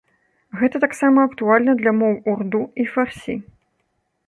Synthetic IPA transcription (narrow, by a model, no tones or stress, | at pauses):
ɣɛt̪ɐt̪aksamɐɐkt̪ualʲnɐd̪lʲɐmɔwurd̪uifarsʲḭ